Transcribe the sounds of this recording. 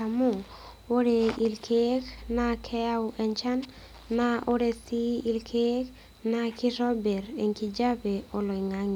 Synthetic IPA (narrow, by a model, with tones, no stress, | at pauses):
amo˦ | o˦ɾe˨i˨lkʰe˦knakʰɛ˦a˦uʔɛɲt͡ʃa˦nː | ao˦ɾe˦si˦i˦lkʰek | naki˦ɾɔ˦bɛ˨ɾe˨ŋki˨d͡ʒa˦pe˨o˨lɔ˨i˨ŋa˦ŋi˨